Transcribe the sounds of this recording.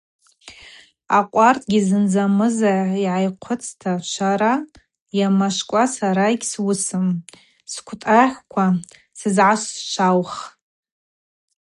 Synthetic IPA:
aqʷʼartʰʼɡʲizɨnd͡zamɨzaiʕajqʷʰʊt͡sʰʼtʰaʃʷaɾa | jamaʃkʷʼasaɾaikʲswʊsɨm | skʷʰtʼaħʷkʷʰa | sɨzʕaʃʷʃʷʰawχ

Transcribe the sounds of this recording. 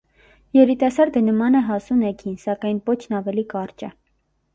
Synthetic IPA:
jɛɾit̪ɑsɑɾd̪ənəmɑnɛɦɑsunɛkʰinsɑkɑjnpɔt͡ʃʰnɑvɛlikɑrt͡ʃɛ

